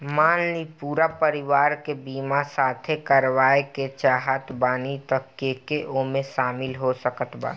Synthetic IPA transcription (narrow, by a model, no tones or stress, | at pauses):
maːnlipuːɾapəɾɪʋaːɾkebiːmasaːt̪ʰekəɾʋaːeket͡ʃaːɦət̪ʰbaːnit̪əkːekeʔomẽʃaːmɪlɦosəkət̪ʰba̰ː